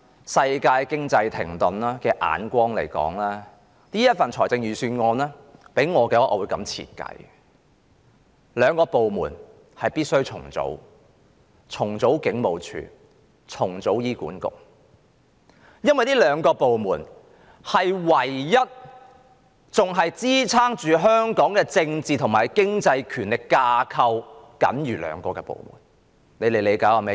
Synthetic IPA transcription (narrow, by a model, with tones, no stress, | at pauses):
sɐ˧jkaː˧jkɪ˥ŋt͡sɐ˧jt̪ʰɪ̰˨˩ŋt̪ʊ˨˩nlaː˥kɛː˧ʔa̰ː˨˥nkʷɔː˥ŋlḛ˨˩jkɔ̰ː˨˥ŋlɛː˥ | niː˥jɐ˥t̚fɐ˨nt͡sʰɔː˨˩jt͡sɪ˧ŋjyː˨˩syː˧nŋɔː˧nlɛː˥pe˨˥jŋɔː˨˧kɛː˧wɔː˥ʔɔː˨˧wuː˨˧jkɐ̰˨˥mt͡sʰḭː˧˩t̚kɐ̰˧˥j | lœː˨˧ŋkɔː˧po˨wmuː˨˩n | hɐ˨jpiː˥t̚sɵ˥ɥt͡sʰʊ̰˨˩ŋt͡so̰˨˥w | t͡sʰʊ˨˩ŋt͡so˨˥wkɪ˨˥ŋmo˨˧wt͡ʃʰy̰ː˨˧ | t͡sʰʊ˨˩ŋt͡so˨˥wjiː˥kṵː˨˥nkʊ̰˨˩k̚ | jɐ˥nwɐ˨jt̪iː˥lœː˨˧ŋkɔː˧po˨wmuː˨˩n | hɐ˨jwɐ˨˩jːɐ˥t̚ | t͡sʊ˨ŋɦɐ˨jt͡siː˥t͡sʰaː˥ŋt͡ʃyː˨ɦœː˥ŋkɔː˨˥ŋkɛː˧t͡sɪ˧ŋt͡siː˨t̪ʰʊ˨˩maː˨˩jkɪ˥ŋt͡sɐ˧jkʰyː˨˩nlɪ˨kːaː˧kʰɐ˧wkɐ̰˨˥nɥyː˨˩lœ̰ː˨˧ŋkɔː˧kɛː˧po̰˨˩wmṵː˨˩n | le˨˧jle˨jle˨˧jkaː˨˥wha˨˧me˧˥